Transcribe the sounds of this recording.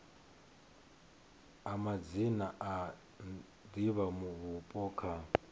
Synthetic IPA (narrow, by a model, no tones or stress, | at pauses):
amad͡zinaʔa | diβamuβupʼɔːkʰa